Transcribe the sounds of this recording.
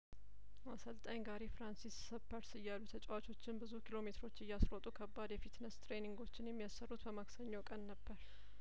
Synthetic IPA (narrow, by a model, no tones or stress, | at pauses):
asəlt̪ʼaɲɡaɾefɾansisːəpːəɾsɨjːalːut̪ʰət͡ʃʼwat͡ʃʰo̞t͡ʃːɪnbɨzukʰilo̞me̞t̪ʰɾo̞t͡ʃːɨjːasɾot̪ʼukʰəbːad̪jɛfit̪nəst̪ɾeniŋɡo̞t͡ʃːɪnjɛmːijasːərːut̪bəmaksəɲːokʼənːəbːəɾ